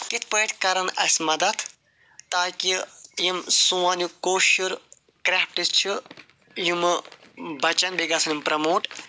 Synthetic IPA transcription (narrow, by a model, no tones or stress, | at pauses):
kit̪ʰpəːʈ̪ʰʲkɐɾɐnɐ̰sʲmɐd̪ɐt̪ʰ | t̪aːkijimsũːaːnukoːʃiɾ | kɾaːpʈist͡ʃʰi | jumɨbʱɐt͡ʃɐnbʱiɡaːsɐnimpɾɐmoːʈ